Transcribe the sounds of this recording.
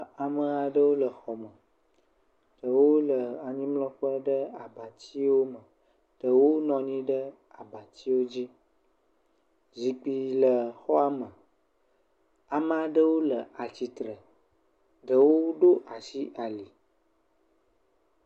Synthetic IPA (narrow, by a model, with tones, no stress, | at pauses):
a˨mə̃˦a˨ɖə˦wo˦lə˨xɔ˨mə̃˨ | ɖ̥ə˨wo˦lə˨a˨ɲĩ˦mlɔ̃˦ɸə˦ɖə˦a˨ba˨t͡ɕi˦wo˦mə̃˨ | ɖ̥ə˨wo˦nɔ̃˨ɲĩ˦ɖə˦ | a˨ba˨t͡ɕi˦wo˦d͡ʑi˦ | zi˨k͡pi˨lə˨xɔ˦a˦mə̃˨ | a˨mə̃˨a˨ɖə˦wo˦lə˨a˨t͡ɕi˨t̪ɾə˨ | ɖə˨wo˦ɖo˦ʔa˨si˦ʔa˨li˨